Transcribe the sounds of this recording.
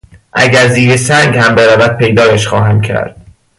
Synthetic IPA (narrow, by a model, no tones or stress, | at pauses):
ʔæ̰ɟæɾziːɾesæŋɡhæmbeɾævæd̪̥̚pʰejd̪ɒːjæʃxɒːɦæmcʰæ̰ɾd̪̥̚